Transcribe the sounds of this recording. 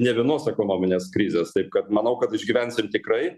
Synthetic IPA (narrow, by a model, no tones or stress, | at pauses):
nʲɛʋʲiɛnoːsɛkoːnoːmʲɪnʲeːskɾʲiːzʲeːst̪ɐɪp̚kɐt̪mɐnɐʊkɐt̪ɪʒʲɡʲiʋʲɛnʲsʲɪmt̪ʲɪkɾɐɪ